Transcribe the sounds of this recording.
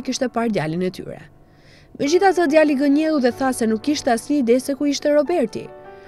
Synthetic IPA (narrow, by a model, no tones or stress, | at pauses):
kiʃt̪ɛpaɾd̪jalinɛt̪y̰ɾɛ̰ | mɛd͡ʑiθazəd̪jaliɡəɲɛluðɛθasɛnukːiʃt̪ɛasiːd̪ɛsɛkuiʃt̪ɛɾɔbɛɾt̪ḭ